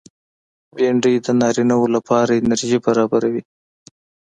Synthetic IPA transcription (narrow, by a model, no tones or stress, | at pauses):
beɳɖijd̪ənɑɾinawolapɑɾaɪnaɾʒibaɾɑbaɾawi